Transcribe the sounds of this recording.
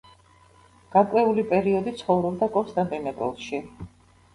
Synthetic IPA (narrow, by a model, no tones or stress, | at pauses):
ɡ̥aɾkʼwɛulipʼɛɾiɔd̪it̪sʰχɔvɾɔb̚d̪akʼɔnst̪ʼant̪ʼinɛkʼɔ̰lˠʃi